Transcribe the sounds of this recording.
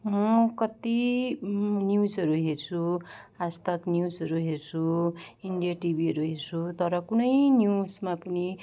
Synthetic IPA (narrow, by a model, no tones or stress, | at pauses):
mʌkʌt̪i | njusʌɾuɦert͡sʰuast̪ʌknjusʌɾuɦert͡sʰuiɳɖijaʈibiɦʌɾuɦert͡sʰut̪ʌɾʌkunʌjniusmapʌni